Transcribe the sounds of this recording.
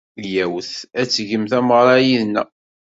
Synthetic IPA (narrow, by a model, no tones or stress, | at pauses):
jæwθæt͡sːʝəmθæməʁɾˤɑjiðnæ